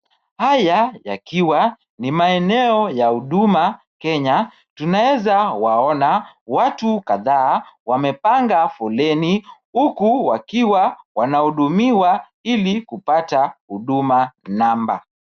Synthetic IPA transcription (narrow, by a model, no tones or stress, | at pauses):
hajaja̰kiwa | nimaɛnɛɔjahuɗuma | kɛɲa | tunawɛzawaɔnawatukaðaːwamɛpaŋɡafɔlɛnihukuwakiwawanahuɗumiwa | ilikupatahuɗumanamba̰